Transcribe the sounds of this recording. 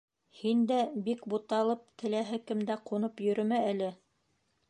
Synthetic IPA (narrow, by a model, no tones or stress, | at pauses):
hind̪æbikbut̪ɑlˠɤp̚t̪ɘ̆læɦɘkɘmd̪æqunɤpjɵ̆ɾɵ̆mæælɘ